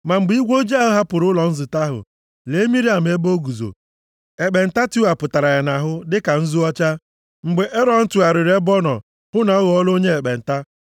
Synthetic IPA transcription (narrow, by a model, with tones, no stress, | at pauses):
ma˨ŋ͡m̩˨ɡ͡bi˦ɡʷo˦d͡ʒi˦a˦ɦʊ˦ɦa˦pʊ˨ɾʊ˦lɔ˨n̩˦zɪ˨ta˦ɦʊ̰˨ | le˨˦mi˦ɾi˦a˨m˦e˦bo˦ɡu˨zo̰˨ | e˨k͡pe˨n̩˨ta˦tu˦a˨pʊ˨ta˨ɾa˨ja˨na˨ɦʊ˦dɪ˦ka˨n̩˦zu˦ɔ˦t͡ʃa˦ | ŋ͡m̩˨ɡ͡be˨ʔe˦ɾɔ˨n̩˦tu˨a˨ɾɪ˨ɾe˦bɔ˦nɔ̰˨ | hʊ˦na˨ɔ˦ɣɔ˨˦ɔ˦lo˦ɲe˦e˨k͡pe˨n̩˨ta˦